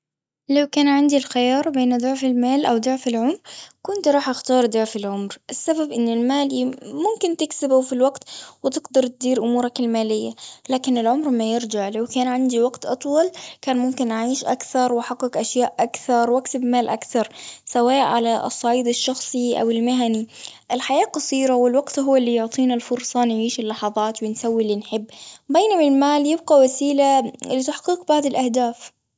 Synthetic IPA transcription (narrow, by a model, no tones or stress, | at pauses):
lawkaːnʕɪnd̪ilxɪjɑːɾˤbeːnd̪ʊʕfɪlmaːlʔawd̪ʊʕfɪlʕʊmɾkʊnt̪ɾˤɑːħʔaxt̪ɑːɾˤd̪ʊʕfɪlʕʊmɾʔɪsːababʔɪnːɪlmaːlmʊmkɪnt̪ɪksɪbʊfilwaɡt̪wɪt̪ɪɡd̪ɑɾˤt̪ɪd̪iːɾʔʊmuːɾakalmaːlɪjːalaːkɪnɪlʕʊmɾmajɪɾd͡ʒaʕlawkaːnʕɪnd̪iwɑɡt̪ʔɑt̪ˤwɑlkaːnmʊmkɪnʔaʕiːʃʔakθɑɾˤwħɑqːɪkʔaʃjaːʔʔakθɑɾˤwʔakt̪ɪbmaːlʔa̰kθɑɾˤsawaːʔʕalasˤːɑʕiːd̪ɪʃːɑxsˤiʔa̰wɪlmɪɦaniʔɪlħajaːqɑsˤiːɾawɪlwaɡt̪ɦʊwːalːijʊʕt̪ˤiːnalfʊɾˤsˤɑnjʕiːʃɪlːɑħɑðˤɑːt̪wɪnsawːilːinħɪbːbeːnamɪlmaːljɪbɡawasiːlalɪt̪aħqiːq̚baʕd̪alʔahd̪aːf